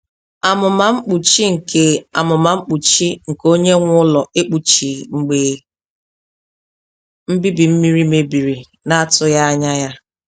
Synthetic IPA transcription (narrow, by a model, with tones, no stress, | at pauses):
a˨mʊ˨ma˨ŋ͡m̩˦k͡pu˨t͡ʃi˦ŋ̩˨ke˨a˨mʊ˨ma˨ŋ͡m̩˦k͡pu˨t͡ʃi˦ŋ̩˨ko˦ɲe˦ŋʷ˦ʊ˦lɔ˨ʔe˦k͡pu˨t͡ʃi˨ŋ͡m̩˨ɡ͡be˨ | m̩˦bi˦bi˨m̩˦mi˦ɾi˦me˨bi˨ɾi˨ | na˦tʊ˦ja˦a˦ɲa˦ja˦